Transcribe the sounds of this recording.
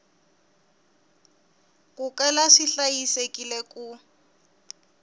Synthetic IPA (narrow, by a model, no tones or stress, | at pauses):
kukɛlaʂiɬajisekʼileku